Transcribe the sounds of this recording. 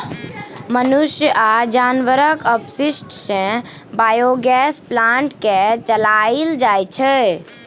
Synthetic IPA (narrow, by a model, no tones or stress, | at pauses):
mənuʃjəʔad͡ʒanʋəɾəkəpsisʈsẽ | baːjoɡɛsplãɳʈket͡ʃəlaild͡ʒajt͡ʃʰɛ